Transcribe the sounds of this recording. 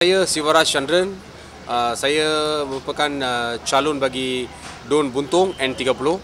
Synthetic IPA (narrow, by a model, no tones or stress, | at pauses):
ajəsiwaɾast͡ʃandɾən | əsajaməpəkanət͡ʃalɔnbaɡi | donbunt̪ʊŋɛ̃nt̪iɡapulo